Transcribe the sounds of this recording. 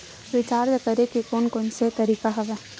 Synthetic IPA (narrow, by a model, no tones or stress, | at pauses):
ʋɪt͡ʃaːɾd͡ʒakɐɾekikoːnkoːnset̪ɐɾiːkaɦɐʋɛː